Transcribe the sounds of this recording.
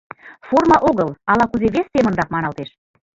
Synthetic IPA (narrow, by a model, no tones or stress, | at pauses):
formɑʔoɣəlɑlɑkuzeβest̪emə̆nd̪ɑpmɑnɑlt̪eʃ